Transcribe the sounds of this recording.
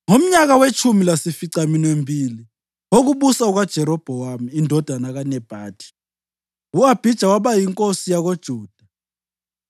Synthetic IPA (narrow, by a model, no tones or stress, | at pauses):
ŋom̩ɲak̬awet͡ʃʰumilasifiǀaminwembʱiːli | ok̬uɓusauɣ̬ad̥ʒ̥ʱɛɾɔb̥ʱɔwamiːndʱɔd̥ʱanaɣ̬anɛb̥ʱaːd̥ʰʱi̥ | uab̥ʱid̥ʒ̥ʱawaɓajiŋkʼosijaɣ̬od̥ʒ̥ʱuːd̥ʱa